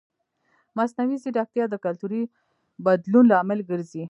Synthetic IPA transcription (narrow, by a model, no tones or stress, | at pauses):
masnawiziɖɑk̚t̪jɑd̪əkalt̪uɾi | bad̪lunlɑmɪlɡəɾzi